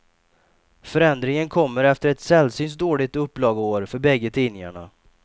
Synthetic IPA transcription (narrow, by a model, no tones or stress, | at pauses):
fœɾɛnd̪ɾɪŋənkʰɔmːəɾɛft̪əɾɛt̪sɛlsyːns̬d̪oːɭɪt̪ɵpːlɑːɡoːɾfœɾbɛɡːət̪ʰiːnɪŋa̰ɳa̰